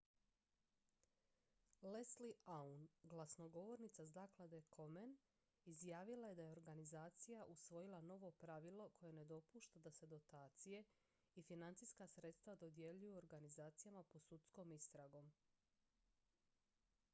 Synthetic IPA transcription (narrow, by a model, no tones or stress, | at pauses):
lesliaunɡlˠasno̞ɡo̞ʋo̞ɾnit̪sazaːklˠad̪e̞kʰomen | izjaːʋilˠaje̞d̪aje̞o̞ɾɡanizaːt̪sijaʔusʋo̞jilˠano̞ʋo̞pɾaʋilˠo̞kʰo̞je̞ne̞d̪o̞puʃt̪ad̪ase̞d̪o̞t̪aːt̪sije̞ | ifinant̪siskasɾe̞t̪st̪ʋad̪o̞d̪je̞ʎujuoɾɡanizaːt̪sijamapo̞sut̪sko̞mist̪ɾaɡo̞m